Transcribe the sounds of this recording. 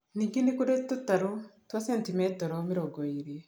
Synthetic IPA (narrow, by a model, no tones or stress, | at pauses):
niŋɡinikuɾetːutaɾutwasentimetoɾomiɾoɡoiɾi